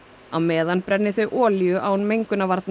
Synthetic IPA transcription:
awmɛːðanpɾɛnːɪθœɥʔɔːljʏʔawnmejŋkʏnavaɾt̪n

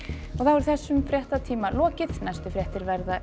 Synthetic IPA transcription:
ɔɣθavɛɾʏθɛsːʏmfɾjɛht̪at̪ʰiːmalɔːcɪθnajst̪ʏfɾjɛht̪ɪɾvɛɾða

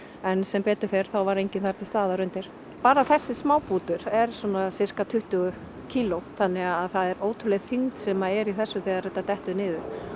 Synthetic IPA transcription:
ɛnsɛmpɛːt̪ʏfɪɾ̥θawvaɾejɲcɪnθaɾ̥t̪ɪlst̪aːðaɾʏnt̪ɪɾ̥ | paːɾaθɛsːɪsmaːwpuːt̪ʏɾɛɾ̥sɔːnasɪr̥kat̪ʰʏht̪ʏɣʏ | cʰiːloθanːɪɣaðθaðɛɾoːwt̪ʰʏɾlɛɣθiŋt̪sɛmaɛɾiθɛsːʏθiːðaɾrɛt̪ːat̪ɛht̪ʏnɪːðʏ

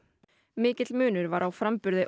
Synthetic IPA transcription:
mɪːcɪt̪lmʏːnʏɾvaɾʔawfɾampʏɾðɪʔ

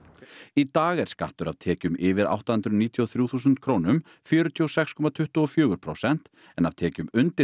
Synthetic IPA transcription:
it̪aːɣɛɾ̥skaht̪ʏɾa̰vt̪ʰɛːcʏmɪːvɪɾa̰wht̪ahʏnt̪ɾʏniːt̪ʰjiɔθɾjuθuːs̬ʏnt̪̚kʰɾownʏm | fjœːɾʏt̪ʰjɔsɛxskʰɔmat̪ʰʏht̪uɔfjʏːɣʏɾpʰɾo̰wsɛn̥t̪ | ɛnav̥t̪ʰɛːcʏmʏnt̪ɪ

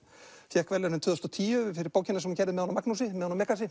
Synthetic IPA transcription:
fjɛhkvɛɾlnʏmt̪ʰːðst̪ɔt̪ʰiːʏfɪɾɪɾpaːwcɪnasɛmucɛɾðɪmɛðanamaknusɪmɛðhanamɛkasɪ

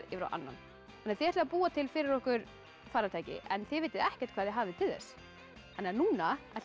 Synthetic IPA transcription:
ɪfɾa̰wʔa̰nːa̰n | hanːɛːɾθɪɛɾt̪ɛvapuːat̪ʰɪlfɪɾɪɾɔhkʏɾ̥ | faːɾat̪ʰaːjcɪ̰ʔɛnθɪvejt̪ɪðɛhcɛɾ̥t̪̚kʰvaːðjɪɦaːvðɪt̪ʰɪlðɛ̰s | hanːɛanuːnaɛ

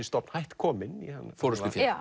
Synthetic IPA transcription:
ɪst̪ɔpnhajht̪kʰɔːmɪniha̰nːfɔɾəsɪfj

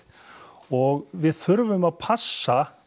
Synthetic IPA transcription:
ɔɣvɪðθʏɾvʏmaðpʰasːa

